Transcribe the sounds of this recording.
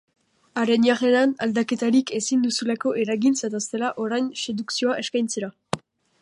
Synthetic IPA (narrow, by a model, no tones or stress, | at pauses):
aɾe̞niareɾanald̪ake̞t̪aɾike̞sind̪usulako̞ʔeɾaɣint͡sat̪ast̪e̞laʔo̞ɾajnse̞ðuksio̞aʔe̞skajnt͡seɾa